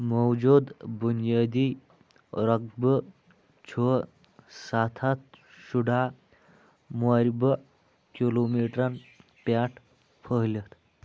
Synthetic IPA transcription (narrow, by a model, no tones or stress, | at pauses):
mɔwd͡ʑud̪bunjad̪i | ɾək̚bə | t͡ɕʰo | sat̪ʰat̪ | ɕuɖa | maɾʲbə | kilomiʈɾanpaʈʰ | pʰəɦlət̪